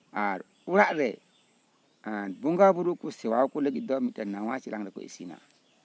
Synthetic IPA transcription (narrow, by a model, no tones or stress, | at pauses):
aɾ | uɾaʔɾe | anbuŋɡabuɾukusewaukuleɡidomitenːawat͡ʃilaŋɾeko̰ḭsina̰